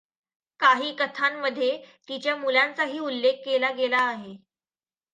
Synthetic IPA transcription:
kaɦiːkət̪ʰamːəd̪ʱːjet̪it͡ɕjamulant͡saɦiːulːekːelaɡelaːɦe

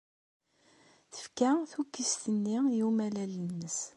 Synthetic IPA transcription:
θə̥fkæθukːist̪ənːijumælælənːəs

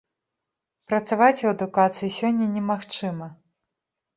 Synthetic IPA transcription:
pɾɐt̪savat͡sʲuɐd̪ukat̪sɨjisʲɔnʲːɐnʲɛmaxt͡ʂɨmɐ

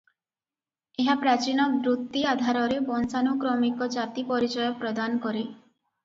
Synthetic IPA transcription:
eɦapɾat͡ʃinɔbɾut̪ːiad̪ʱaɾɔɾebɔnsanukɾɔmikɔd͡ʒat̪ipɔɾit͡ʃɔjɔpɾɔd̪anɔkɔɾi

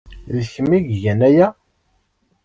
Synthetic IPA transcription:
ðçəmːiʝʝænæjæ

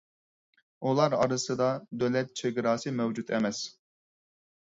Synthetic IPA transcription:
ulˠɑɾɑɾɨsɨd̪ɑd̪ølɛt̪̚t͡ʃʰeɡʲɾɑːsɨmɛwd͡ʒut̪ʰɛmɛs

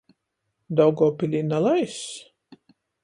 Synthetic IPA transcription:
d̪ɔwɡɔːpilʲinalˠajs

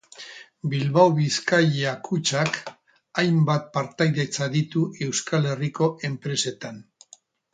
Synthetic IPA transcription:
bilβawβiskajakʰut͡ʃak | ajmbat̪̚paɾt̪ajðe̞t͡saðit̪uʔe̞wskale̞riko̞ʔe̞mpɾe̞se̞t̪an

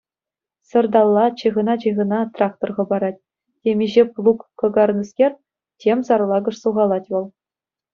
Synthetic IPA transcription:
sɤ̆rd̪ɑlˠːɑt͡ɕiʁɤ̆nɑt͡ɕiʁɤ̆nɑt̪rɑkt̪orʁɤ̆bɑɾɑt̚ʲ | tʲemʲiʑeplˠukːɤ̆ɡɑrnɤskʲerʲ | tʲemsɑrlˠɑɡɤ̆ʂsuʁɑlˠɑtʲʋɤ̆lˠ

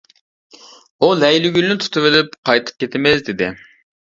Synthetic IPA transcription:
ulɛjlyɡʲylnɪt̪ʰu̥t̪ʰɨvɪlɪp̚qʰɑjt̪ʰɨ̥p̚kʲʰet̪ʰɪmɪzd̪ɪd̪ɪ

